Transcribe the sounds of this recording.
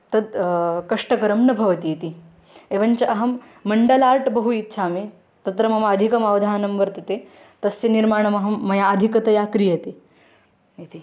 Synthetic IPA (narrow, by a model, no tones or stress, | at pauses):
t̪ɐd̪̚kɐʂʈɐkɐɾɐmnɐbʱɐʋɐt̪iit̪i | eʋɐnt͡ɕɐʔɐɦɐmː | ɐɳɖɐlaɾʈbɐɦuit̪ːɕʰami | t̪ɐt̪ɾɐmɐmaːd̪ʱikɐmaʋd̪ʱanɐmbɐɾt̪ɐt̪e | t̪ɐsjeniɾmaɳ̃ɐmɐɦɐmːɐjaɐd̪ʱikɐt̪ɐjakɾijɐt̪i | jit̪i